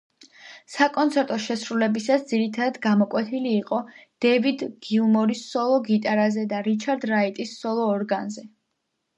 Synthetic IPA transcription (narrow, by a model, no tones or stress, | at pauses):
sakʼɔnt̪sʰɛɾt̪ʼɔʃɛsɾulɛbisasd̪ziɾit̪ʰad̪ad̪ɡamɔkʼwɛt̪ʰiliːqʼɔd̪̥ɛvid̪ɡ̥iulmɔɾisɔlˠɔɡit̪ʼaɾazɛd̪aɾit͡ʃʰaɾd̪ɾait̪ʼisːɔlˠɔːɾɡanzɛ